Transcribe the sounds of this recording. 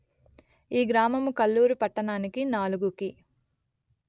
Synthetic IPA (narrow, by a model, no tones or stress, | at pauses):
iːɡɾaːmɐmukɐlːuːɾupɐʈːɐɳaːnikinaːluɡuki